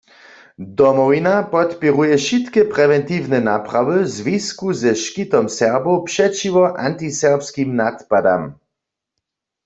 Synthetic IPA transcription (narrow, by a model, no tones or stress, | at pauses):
d̪ɔmɔvinapɔt̪piʁujɛʃit̪kɛpʁɛʋɛnt̪iːvnɛnapʁaʋəzʋiskuzɛʃkit̪ɔmsɛʁbopʃɛt͡ʃiʋɔʔa̰nt̪isɛʁpskimnat̪pad̪a̰m